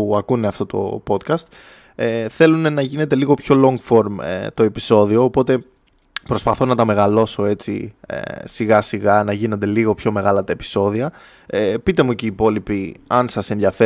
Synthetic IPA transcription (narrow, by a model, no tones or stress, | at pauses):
uɐkune̞ɐft̪ot̪o̞̰po̞t̪kɐst̪ | eθe̞lune̞nɐʝine̞t̪e̞liɣo̞pço̞lo̞ŋɡfo̞ɾmḛt̪o̞episo̞ðio̞ːpo̞t̪e̞ | pɾo̞spɐθo̞nɐt̪ɐme̞ɣɐlo̞so̞e̞t͡sḭḛsiɣɐsiɣɐnɐʝino̞nd̪e̞liɣo̞pço̞me̞ɣɐlɐt̪ɐepi̥so̞ðiɐ | epit̪e̞muciːpo̞lipiɐnsɐse̞nðjɐfe